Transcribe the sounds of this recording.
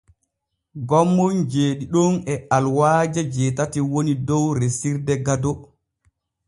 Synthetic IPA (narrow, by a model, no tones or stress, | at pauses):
ɡɔmːɔnd͡ʒeːɗiɗɔnɛalwaːd͡ʒad͡ʒɛːtatiwonidɔwɾesiɾdɛɡadɔ